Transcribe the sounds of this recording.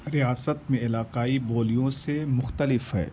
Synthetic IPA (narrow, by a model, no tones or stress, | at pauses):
ɾɪjaːsət̪̚mẽɪlaːqaːiboːlijõsemʊxt̪əlɪfɦɛ̰ː